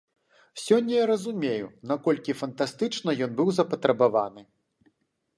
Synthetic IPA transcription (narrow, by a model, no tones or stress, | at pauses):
sʲɔnʲːɐjaɾɐzumʲejunakɔlʲkʲifɐnt̪ast̪ɨt͡ʂnɐjɔnbɨwzɐpɐt̪ɾɐbavanɨ